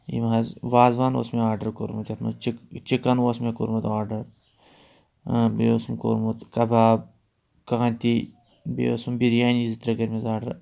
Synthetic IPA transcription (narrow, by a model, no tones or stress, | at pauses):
ḭmɦɐzʋaːzʋaːno̰ːsmeaːɾɖɐɾkoɾmɐt͡ʃɐt̪ʰmɐ̰t͡ʃit͡ʃikɐnosmeko̰ɾmɐt̪aːɾɖɐɾ | beosumko̰ɾmut̪kɐbaːb̚ | kaːnt̪i | bḛo̰sumbiɾjaːnizit̪ɾɐɡɐɾmezaːɾɖɐɾ